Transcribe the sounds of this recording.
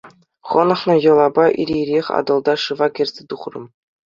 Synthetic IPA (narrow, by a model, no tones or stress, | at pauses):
χɤ̆nɤ̆χnɤ̆jɤ̆lˠɑbɑʔḭɾʲeɾʲexʲɑ̰d̪ɤ̆lˠd̪ɑʂɯvɑkʲĕrʲzʲĕt̪uχrɤ̆m